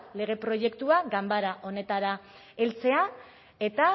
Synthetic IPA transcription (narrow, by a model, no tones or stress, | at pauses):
le̞ɣ̞e̞pɾo̞ʝe̞kt̪uaɡambaɾaʔo̞ne̞t̪aɾa | e̞lt͡se̞a | e̞t̪a